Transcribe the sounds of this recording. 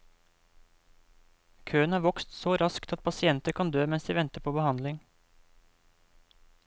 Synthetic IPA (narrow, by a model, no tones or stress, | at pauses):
kʰøːənhɑːʋɔkst̪soːɾɑskt̪ɑt̪̚pʰɑsɪɛnt̪əkʰɑnd̪øːmɛnsd̪iːʋɛnt̪əpʰoːbəhɑnd̪lɪŋ